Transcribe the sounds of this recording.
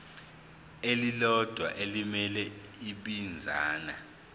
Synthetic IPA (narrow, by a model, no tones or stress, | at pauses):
elilɔd̥ʱwa̰ʔelimɛlɛ | iɓind͡zʱaːna